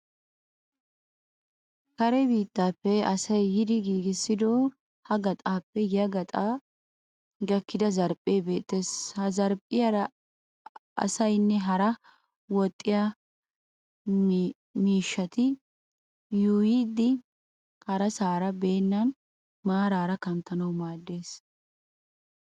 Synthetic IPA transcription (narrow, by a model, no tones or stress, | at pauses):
kɐɾɛbiːt̪ːaːpːɛɐsɐjhɪd̪ɪɡiːɡɪsːɪd̪ɔ | hɐɡɐt̪ʼaːpːɛɡɪjɐɡɐt̪ʼaː | ɡɐkːɪd̪ɐzɐɾpʼːeːbe̞ːt̪ːeːshɐzɐɾpʼːɪjɐɾ | ɐ̰sɐjnːɛɦɐɾɐ | wɔt̪ʼːɪja | miːʃːɐt̪ɪ | juːjiːd̪ɪ | hɐɾɐsaːɾɐbe̞ːnːɐn | maːɾaːɾɐkɐmt̪ɐnɐwmaːd̪ːe̞ːs